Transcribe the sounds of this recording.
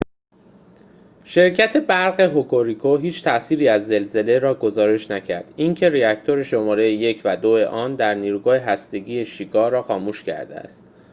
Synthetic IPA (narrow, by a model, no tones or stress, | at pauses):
ʃe̞ɾcʰæt̪ʰe̞bæɾɢe̞ɦokʰoɾikʰoɦiːt͡ʃʰt̪ʰæʔsiːɾiːæzːe̞lze̞le̞ɾɒːɡo̞zɒːɾe̞ʃnæcʰæɾd̪̥iŋcʰe̞ɾiæct̪ʰo̞ɾe̞ʃo̞mɒːɾe̞jeje̞cʰvæd̪oe̞ʔɒːnd̪æɾniːɾuːɡɒːheɦæst̪e̞ɟiːje̞ʃiːkʰɒːɾɒːxɒːmuːʃcʰæ̰ɾd̪eæ̰st̪